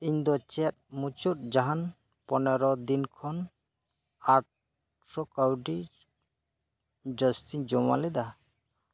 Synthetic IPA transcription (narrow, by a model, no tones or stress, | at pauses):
iɲd̪ɔt͡ʃɛt̪̚mut͡ʃut̚d͡ʒaɦan | pɔnɛɾɔd̪inkʰɔn | aʈ | sɔkawɖi | d͡ʒəst̪ʰiɲd͡ʒɔma̰lɛd̪a